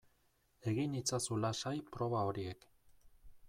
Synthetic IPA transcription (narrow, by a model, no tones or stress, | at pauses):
e̞ɣinit͡sasulasajpɾo̞βao̞ɾie̞k